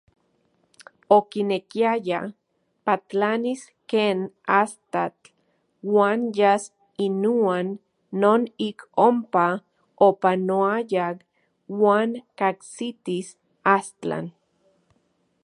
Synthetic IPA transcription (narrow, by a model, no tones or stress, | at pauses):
okinekiaja | pat͡ɬanis | keːnast̪at͡ɬ | waːnjas | inuanː | oːnikompa | opanoajak | waːŋkaksit̪is | ast͡ɬa̰n